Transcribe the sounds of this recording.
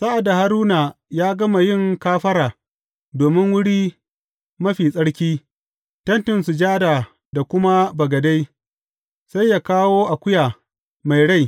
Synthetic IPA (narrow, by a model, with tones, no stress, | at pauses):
sa˦ʔa˨da˨ha˦ɾuː˦na˨jaː˦ɡɐ˦ma˨jɪ˦˨ŋkaː˦ɸɐ˦ɾaː˨ | doː˨mɪ˦ŋwʊ˦ɽiː˦ | mɐ˦ɸiː˨sʼɐ˦ɽkʲiː˦ | tɐ˦ntɪ˨nsu˨d͡ʒaː˦daː˨ | da˨kʷʊ˦ma˦bɐ˨ɡɐ˨da˦j | sa˦jːa˨kaː˦woː˦ʔa˨kʷʊ˦jaː˨ | ma˨jɽa˦˨j